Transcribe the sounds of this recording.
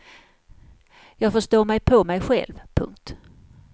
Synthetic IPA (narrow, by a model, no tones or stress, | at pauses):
jɑːɡfɔʂt̪oːmɛjpʰɔmɛjɧɛ̰lvpʰɵ̰ŋk̚t̪